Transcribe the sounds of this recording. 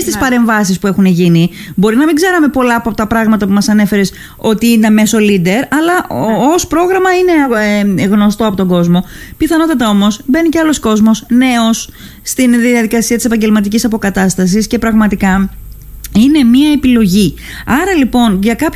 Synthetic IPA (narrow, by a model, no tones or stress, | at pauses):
st̪ispɐɾe̞ɱvɐs̬ispue̞xune̞ʝinibo̞ɾinɐmiɡze̞ɾɐme̞po̞lɐːpoɐpot̪ɐpɾɐɣmɐt̪ɐpumɐsɐne̞fe̞ɾes | o̞t̪iinɐme̞so̞lid̪e̞ɾɐlɐʔospɾo̞ɣɾɐmɐine̞ɣno̞st̪oɐpo̞t̪o̞ŋɡo̞zmo̞piθɐno̞t̪ɐt̪ɐo̞mo̞sbe̞niceɐlo̞sko̞zmo̞sne̞o̞sː | t̪inðiɐðikɐsiɐt̪isepɐɲɟe̞lmɐt̪icisɐpo̞kɐt̪ɐst̪ɐs̬isce̞pɾɐɣmɐt̪ikɐ | ine̞miɐe̞pilo̞ʝi | ɐɾɐlipo̞nʝɐkɐp